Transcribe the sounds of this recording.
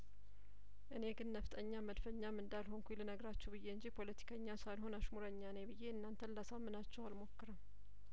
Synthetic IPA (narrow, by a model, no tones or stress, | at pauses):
ʔɨne̞ɡɨnːəft̪ʼəɲːaməd̪fəɲːamɨnd̪alɦo̞ŋkʰʷulɨnəɡɾat͡ʃːɛbɨje̞ɨɲd͡ʒipʰo̞lət̪ʰi̥kʰəɲːasalɦo̞naʃmuɾəɲːanebɨjːe̞ɨnːant̪ʰənlasamːɨnat͡ʃːɛwalmo̞kːɨɾəm